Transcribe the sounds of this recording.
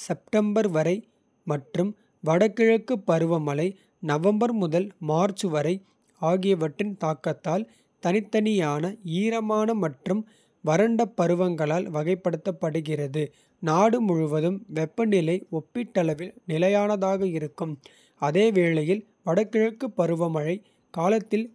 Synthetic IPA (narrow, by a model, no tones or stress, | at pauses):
sɛp̚ʈɐmbɐɾʋɐɾɐɪ | mɐʈrɯm | ʋɐɽɐkːɪɻɐkːɯpːɐɾɯʋɐmɐlɐɪ | nɐʋɐmbɐɾmʊðɐlmaːɾt͡ʃɯʋɐɾɐɪ | aːɣɪjɐʋɐʈrɪnt̪aːkːɐt̪ːaːl | t̪ɐnɪt̪ːɐnɪjaːnɐiːɾɐmaːnɐmɐʈrɯm | ʋɐɾɐɳɖɐpːɐɾɯʋɐŋɡɐɭaːlʋɐɣɐɪpːɐɽɯt̪ːɐpːɐɽɯɣɪrɐðɯ | naːɽɯmʊɻʊʋɐðɯmʋɛpːɐnɪlɐɪɔpːɪʈːɐlɐʋɪlnɪlɐjaːnɐðaːɣɐɪɾɯkːɯm | ɐðeːʋeːɭɐjɪl | ʋɐɽɐkːɪɻɐkːɯpːɐɾɯʋɐmɐɻɐɪ | kaːlɐt̪ːɪl